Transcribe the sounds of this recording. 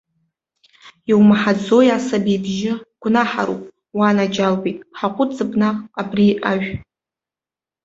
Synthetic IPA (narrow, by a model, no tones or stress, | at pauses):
iwmaħad͡zojasabibʒɪɡ̥ʷnaħaɾṵpʼ | wanad͡ʒalbijtʼħaqʷʼʊt͡sɨbnaqʼabriaʒᶣ